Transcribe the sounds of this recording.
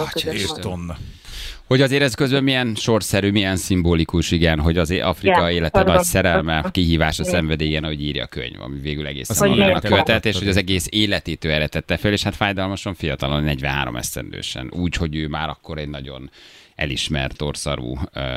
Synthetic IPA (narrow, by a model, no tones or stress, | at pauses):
onː | ho̞ɟɒzeːɾɛzkøzbɛmijɛnʃo̞rsɛɾyːmijɛnsimboːlikuʃiɡɛnɦo̞ɟɒzʔɒfrikɒeːlɛt̪ɛcsɛɾɛlmɛkiɦiːvaːʃɒsɛɱvɛd̪eːɡɛnɒɦo̞ɟiːrjɒ̰kø̰ɲvɒ̰miveːɡylɛɡḛːsɛnoanɒkøvɛt̪ɛt̪eːʃhoɟɒzɛɡeːseːlɛt̪ːiːt̪øːɛɾɛt̪ɛt̪ːɛføleːʃhat̪faːjd̪ɒlmɒʃoɱfijɒt̪ɒlo̞nːɛɟvɛ̃nɦa̰ːɾomʔɛ̰st̪ɛ̰nd̪ø̰ːʃɛ̰nuːcho̞ɟøːmaːɾɒkːo̞ɾɛɟnɒɟo̞̰nɛ̰liʃmɛ̰rt̪o̰rsɒ̰ɾṵː